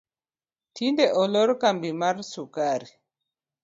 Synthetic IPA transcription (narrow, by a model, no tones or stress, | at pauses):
tindɛʔɔlɔɾkambimaɾsukaɾi